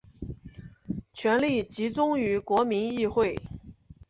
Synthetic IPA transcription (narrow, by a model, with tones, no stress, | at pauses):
t͡ɕʰɥɛ˧˥nli˥˩t͡ɕi˧˥t͡sʊ˥ŋy˧˥kwɔ˧˥mi˧˥ni˥˧xwe˥˩ɪ